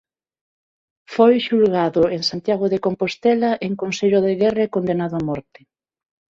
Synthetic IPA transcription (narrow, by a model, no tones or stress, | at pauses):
fojʃulɣaðʊeŋsant̪jaɣʊðekompost̪ɛlɐʔeŋkonseʎoðeɣɛrekond̪enaðʊamɔɾt̪ɪ